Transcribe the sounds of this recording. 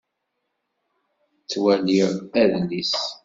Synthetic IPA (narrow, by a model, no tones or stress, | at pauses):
t͡sːwæliʁæðlis